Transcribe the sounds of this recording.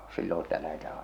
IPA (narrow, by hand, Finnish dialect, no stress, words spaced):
silːon̞ sĭtæ læhetæː